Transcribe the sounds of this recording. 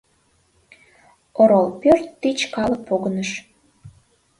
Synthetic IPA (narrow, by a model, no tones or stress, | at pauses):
oɾolpørt̪ːit͡ɕkɑlək̚poɣənəʃ